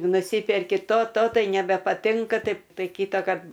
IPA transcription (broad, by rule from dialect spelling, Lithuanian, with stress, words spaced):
nʊˈsʲiːpʲɛrʲkʲɪ ˈtoː ˈtoː ˈtɐɪ nʲɛbʲɛpɐˈtʲɪŋkɐ ˈtɐɪp ˈtɐɪ ˈkʲiːtɐkɐrt